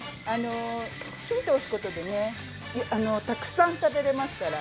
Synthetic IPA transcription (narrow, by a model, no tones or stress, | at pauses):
ano̞ | çiːt̪oosɨ̥ko̞t̪o̞d̪e̞ne̞ | ʔano̞t̪akɯ̟̥sãnt̪abe̞ɾe̞masɨ̥kaɾa